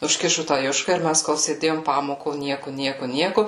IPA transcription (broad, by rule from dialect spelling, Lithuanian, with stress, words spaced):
ʊʃʲˈkʲɪʃʊ tɑː ˈjʊʃkɐ ɪr ˈmʲɛs koːlˠ sʲeːˈdʲeːjoːm ˈpɑːmoːkoː ˈnʲiɛkʊ ˈnʲiɛkʊ ˈnʲiɛkʊ